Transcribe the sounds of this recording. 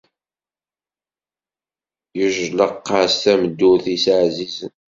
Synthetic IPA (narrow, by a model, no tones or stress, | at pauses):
jəʒləqːəst̪æməd̪ːʊθisʕzizən